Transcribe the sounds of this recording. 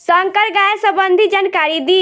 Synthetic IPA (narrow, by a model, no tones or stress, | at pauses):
səŋkəɾɡaːjsəbənd̪ʱid͡ʒankaːɾid̪i